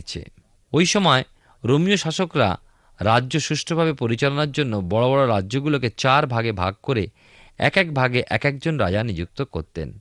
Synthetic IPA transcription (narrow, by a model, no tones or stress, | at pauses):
t͡ɕʰḛ | ojʃɔmɔe | ɾomioʃaʃokɾa̰ | ɾadːʑoʃuʃʈʰobʱabepoɾit͡ɕalonaɾd͡ʑonːobɔɽobɔɽoɾadːʑoɡuloket͡ɕaɾbʱaɡebʱa̰ɡ̚koɾe | ɛ̰kɛk̚bʱaɡeʔɛkɛkd͡ʑonɾa̰d͡ʑanid͡ʑuk̚t̪okoɾt̪ḛn